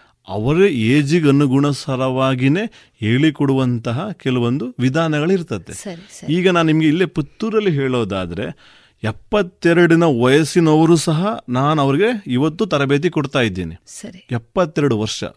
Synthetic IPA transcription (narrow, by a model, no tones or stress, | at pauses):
ɐ̰ʋɐɾeeːd͡ʒiɡɐnːuɡuɳɐsɐɾɐʋaːɡine̞ː | eːɭikoɽuʋɐnt̪ɐɦɐkɛlɐʋond̪uʋid̪ʱaːnɐɡɐɭiɾt̪ɐt̪ːḛɐiːɡɐnaːnnimɐɡe̞ilːeput̪ːuɾɐlːiɦeːɭoːd̪a̰ːd̪ɐɾe̞̰ | ɛpːɐt̪ːɛɾɐɽinɐʋɐjɐsinɐʋɐɾuːsɐɦɐnaːnuɐʋɐɾiɡe̞iʋɐt̪ːut̪ɐɾɐbe̞ːt̪̬ikɔɽt̪aːjid̪ːḭːnḭɐɾiɛpːɐt̪ːɛɾɐɽuʋɐɾʂɐ̰